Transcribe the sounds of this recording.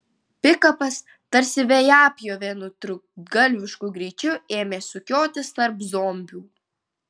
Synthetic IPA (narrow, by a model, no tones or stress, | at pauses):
pʲɪkɐpɐs | t̪ɐɾʲsʲɪʋʲejɑːpʲjoːʋʲenʊt̪ɾʊɡɐlʲʋʲɪʃkʊɡɾʲiːt͡ʃʲʊeːmʲeːsʊkʲoːt̪ʲɪst̪ɐɾpzɔːmʲbʲuː